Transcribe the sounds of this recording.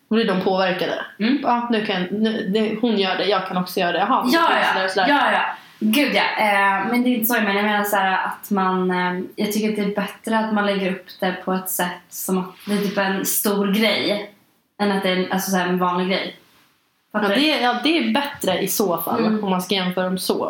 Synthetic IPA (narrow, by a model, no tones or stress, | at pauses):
ɔblɪɖɔmpʰoːvæɾkad̪ə̰ɑːnʉ̟ːkʰanjanʉ̟d̪ɛhʊnjœːɖɛjɑːɡ̚kʰanɔksɔjœːɾad̪ɛjɑɦɑjɑːjɑ̰d̪ɾsɔd̪æjɑːjɑː | ɡʉ̟ːd̪jɑ̰ːmɛnd̪ɛɪnt̪əsoːjameːnjmeːnaʂæːɾaʔat̪manjɑːɡt̪ʰʏkːɾat̪̚d̪ɛːɾbɛt̪ɾəat̪manlɛɡːəɾɵpːd̪̥ɛpʰɔɛt̪sɛt̪ːsɔmat̪̚blɪt̪iːpɛnst̪uːɾɡɾɛj | ɛnat̪̚d̪ɛnʔa̰lsɔsæːɾɛnvɑːnlɪɡɾɛ̰j | fat̪ːd̪ɛjɑːd̪ɛːbɛt̪ɾəʔɪsoːfa̰lːɔmːanskajɛnfœːɾaɔmso̰ː